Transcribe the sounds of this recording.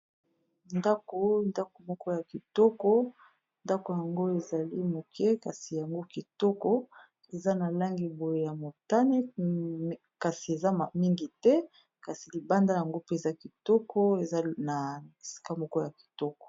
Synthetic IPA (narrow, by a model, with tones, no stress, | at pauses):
nda˦ko˨nda˦ko˨mɔ˦kɔ˦ja˨ki˨tɔ˦kɔ˦ | nda˦ko˨ja˨ŋɡo˦e˨za˨li˦mo˨kʰɛ˦ka˨si˨ja˨ŋɡo˦ki˨tɔ˦kɔ˦ | e˨za˦na˨la˦ŋɡi˨bo˨je˨ja˨mo˨ta˦ne˦ | ka˨si˨e˨za˦ma˨mi˦ŋɡi˨tɛ˦ | ka˨si˨li˨ba˦nda˦ja˨ŋɡo˦pe˦e˨za˦ki˨tɔ˦kɔ˦e˨za˦na˨i˨si̥˨ka˦mɔ˦kɔ˦ja˨ki̥˨tɔ˦kɔ̥˨